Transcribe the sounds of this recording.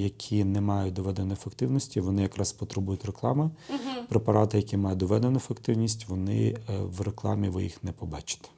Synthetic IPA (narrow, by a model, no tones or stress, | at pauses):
jɐkʲʰinɛmɑjʊt̚ʲd̪ɔʋɛd̪enɔjfekt̪ɪwnɔsʲtʲiʋɔnɪjɐkɾɑspɔt̪ɾebujʊtʲreklˠɑ̰mɪpɾepɐɾɑt̪ɪjɐkʲimɑjʊt̚ʲd̪ɔʋɛd̪enʊfekt̪ɪwnʲisʲtʲʋɔnɪ̰ʋreklˠɑ̰mʲiʋɪ̰jḭxnɛpɔbɑt͡ʃɪ̥t̪ɛ̥